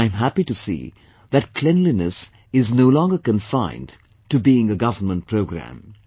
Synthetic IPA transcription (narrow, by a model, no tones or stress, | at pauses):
ɪɨ̃mɦæpitɨsḭː | ðɨt̚kʰl̥ɛ̃nlinɨs | ɪznoʊlɔ̃ŋɡəkə̃ɱfãɪ̃nd | tɨbiɪ̃ŋəɡʌvənmə̃nt̚pʰɹoʊɡɾæ̰̃m